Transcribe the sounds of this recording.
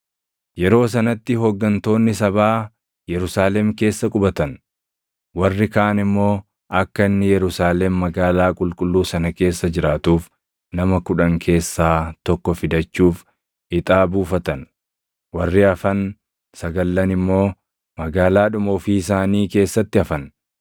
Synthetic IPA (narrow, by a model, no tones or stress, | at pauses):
jɛɾo̞ːs̬ɐnɐt̪ːɪɦɔɡːɐnt̪o̞ːnːɪs̬ɐbaː | jɛɾʊsaːlɛmke̞ːsːɐkʼʊbɐt̪ɐn | wɐrːɪkaːʔɐnɪmːo̞ː | ʔɐkːɐɪnːɪjɛɾʊsaːlɛmːɐɡaːlaːkʼʊlkʼʊlːuːsɐnɐke̞ːsːɐd͡ʒɪɾaːt̪uːf | nɐmɐkʊᶑɐŋkʰe̞ːsːaːt̪ɔkːɔfɪd̪ɐt͡ʃːuːf | ɪt̪ʼaːbuːfɐt̪ɐn | wɐrːɪɐfɐn | sɐɡɐlːɐnɪmːo̞ː | mɐɡaːlaːᶑʊmoːfiɪsaːniːke̞ːsːɐt̪ːɪɐfɐn